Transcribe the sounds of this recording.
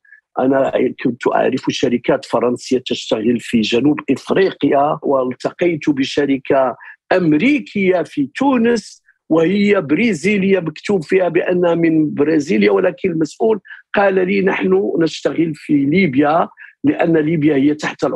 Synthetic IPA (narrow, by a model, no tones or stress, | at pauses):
ʔæ̰nækʰʊnt̪uʔa̰ʕɾəfuʃæɾəkæt̪fɑɾˤɑnsəjːat̪əʃt̪æɣəlfiʒænubʔəfɾiqjawʔəlt̪ɑqɑjt̪ubəʃæɾəkʰaʔæmɾikʰəjːafit̪unəs | wəhəjːabɾiziləjːaməkt̪ubfihæbəʔənːhmənbɾɑziljawəlækənlmæsʔulqɑllinəħnunəʃt̪aɣəlfilibjaləʔænːlibjahəjːat̪aħt̪l